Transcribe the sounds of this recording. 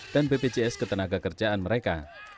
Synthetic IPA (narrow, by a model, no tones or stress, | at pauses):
d̥anpeped͡ʒeɛskət̪ənaɡakərd͡ʒaanməɾeka̰